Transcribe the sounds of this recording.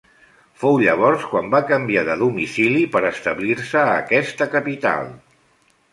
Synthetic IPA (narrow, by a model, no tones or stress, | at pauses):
fowʎəβ̞ɔɾskwambakəmbiaðəðumisilipəɾəst̪əβliɾsəːkɛst̪əkəpit̪a̰lˠ